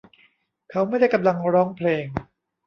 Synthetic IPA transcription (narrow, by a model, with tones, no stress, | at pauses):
kʰa˦˥wma˥˩jda˥˩jka˧mla˧ŋɾɔː˦˥ŋpʰleː˧ŋ